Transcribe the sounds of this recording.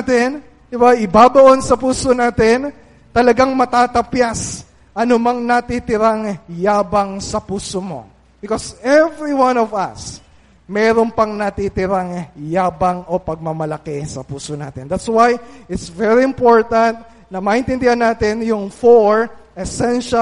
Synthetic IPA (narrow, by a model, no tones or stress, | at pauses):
t̪ɛn | d̪ɪbaʔɪbaːbɐʔo̞nsɐpuːso̞naːt̪ɛn | t̪ɐlɐɡaŋmɐt̪aːt̪ɐpjas | ʔɐnomɐŋnɐt̪it̪ɪɾaŋjaːbɐŋsɐpuːsomo̞̰ | bɪkosɛvɹiwãnovɐ̰s | mɛːɾonpɐŋnɐt̪it̪ɪɾaŋjaːbɐŋʔo̞pɐɡ̚mɐmɐlɐkɛsɐpuːsona̰ːt̪ɛnd̪at̪swajɪt̪svɛɹiɪmpo̞ɹt̪ɐ̃nt̪̚ | nɐmɐʔɪnt̪ɪnd̪ɪhɐnaːt̪ɪnjʊŋfoɹʔɛsɛnʃɐ